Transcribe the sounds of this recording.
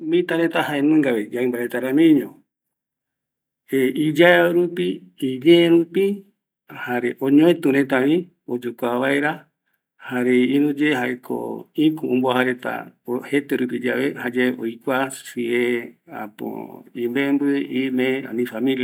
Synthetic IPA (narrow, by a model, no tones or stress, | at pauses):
mĩt̪aɾet̪ahaenũŋɡaʋed͡ʒaɨ̃mbaɾet̪aɾamĩɲõ | eid͡ʒaeeɾupiːd͡ʒeɾupi | haɾeʔoɲoẽt̪ũɾet̪̬aĩ | od͡ʒokʷaβaeɾa | haɾeinũd͡ʒeɦaekʰo̰ĩkũũmbohaɾe̞t̪a̰ohet̪eɾup̬id͡ʒaʋehad͡ʒaeʔojkʷasiea̰po̰imbembɨʔimẽa̰nĩfamĩlia